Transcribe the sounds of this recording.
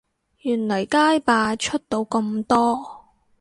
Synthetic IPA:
jyː˨˩nlɐ˨˩jkaː˥jpaː˧t͡ʃʰɵ˥t̚t̪o˨˧wkɵ˧mt̪ɔː˥

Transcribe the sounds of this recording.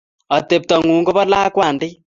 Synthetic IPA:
ɔ˨t̪e˨p̚t̪ɔ˨ŋu˨ŋɡo˦βɔ˦la˦kwa˨ndi˦

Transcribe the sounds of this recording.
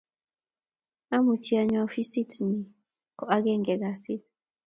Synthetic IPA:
a˦mu˨t͡ʃi˦a˨ɲa˨ɔ˦fi˦si˦tni˨ | kɔ˨ʔa˦ɡɛ˦ŋɡɛ˨ɡa˨si˦

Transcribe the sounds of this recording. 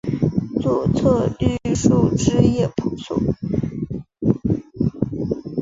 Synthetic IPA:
t͡swɔ˥˩t͡sʰɤ˥˧ly˥˧ʂu˥˩ʈ͡ʂɻ̩˥jɛ˥˩pʰu˨˩sʰṵ˥˩˦

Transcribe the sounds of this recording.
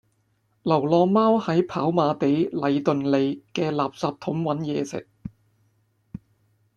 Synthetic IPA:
lɐ˨˩wlɔː˧maː˥whɐ˨˥jpʰaː˨˥wmaː˧t̪e˨˥jlɐ˨˧jt̪ɵ˨nle˨˧jkɛː˧laː˨p̚saː˨p̚t̪ʰʊ˨˥mwɐ˨˥njɛ̰ː˨˧sɪ̰˨k̚

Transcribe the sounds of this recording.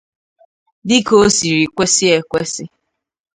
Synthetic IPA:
dɪ˦ko˦si˨ɾi˨kʷe˦sɪ˦e˨kʷe˦sɪ˦

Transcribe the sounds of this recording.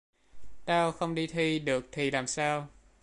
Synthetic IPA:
t̪aː˧wxə˧wŋ͡mɗi˧t̪ʰi˧ɗɨ˨˩ək̚t̪ʰi˨˩laː˨˩msaː˧w

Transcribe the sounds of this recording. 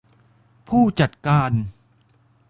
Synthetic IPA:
pʰuː˥˩t͡ɕa˨˩t̪̚kaː˧n

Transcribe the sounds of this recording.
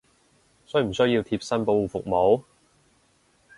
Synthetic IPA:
sɵ˥jm̩˨˩sɵ˥ɥjiː˧wt̪ʰiː˧p̚sɐ˥npo˧˥wfʊ̰˨k̚mo˨˥w

